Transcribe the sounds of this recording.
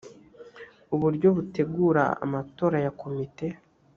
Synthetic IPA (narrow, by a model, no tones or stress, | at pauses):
uβuɾɟo̞βute̞ɡuːɾa̰a̰mato̞ːɾajakʰo̞mite̞